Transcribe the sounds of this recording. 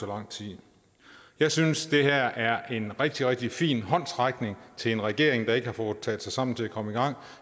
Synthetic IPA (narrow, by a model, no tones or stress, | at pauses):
ɒlɑ̈ŋ̰t͡sʰið̰ˠ | jɑ̈ɪsynsd̥e̝ɦæɐ̰ʔæɐʔe̝nʁɛɡ̥̚d̥iʁɛɡ̥̚d̥ifḭːnɦɒ̽n̰sʁɑ̈ɡ̥ne̝ŋt͡sʰe̝lenʁɛɡ̥e̝ɐ̰eŋd̥ɑ̈e̝ɡ̥əhɑ̈fɔːð̩ˠt͡sʰɛ̰ːð̥̩ˠsɑ̈ɪsɑ̈m̰n̩t͡sʰe̝ækʰɒ̽məiɡ̥ɑ̈ŋ̰